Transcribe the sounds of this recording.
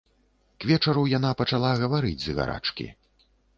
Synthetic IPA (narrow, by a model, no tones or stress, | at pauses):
kvʲɛt͡ʂɐɾujanapɐt͡ʂalˠaɣɐvaɾɨd͡zʲzɨɣa̰ɾa̰t͡ʂkʲḭ